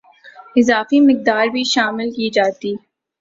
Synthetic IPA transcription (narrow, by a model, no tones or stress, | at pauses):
ɪzaːfimɪk̚d̪aːɾbʱiʃaːmɪlkiːd͡ʒaːt̪iː